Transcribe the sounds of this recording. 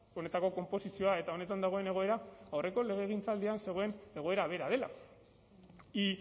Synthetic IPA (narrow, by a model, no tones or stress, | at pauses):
o̞ne̞t̪ako̞ko̞mpo̞sisio̞ae̞t̪ao̞ne̞t̪and̪aɣ̞o̞e̞ne̞ɣ̞o̞e̞ɾaawre̞ko̞le̞ɣ̞e̞ɣ̞int͡sald̪ianse̞ɣ̞o̞ene̞ɣo̞e̞ɾaβe̞ɾað̞e̞la̰ | i